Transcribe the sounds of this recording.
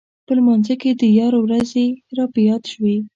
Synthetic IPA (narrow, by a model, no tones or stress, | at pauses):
pəlmɑnzaked̪əjɑɾowɾazeɾɑpəjɑd̪ʃwi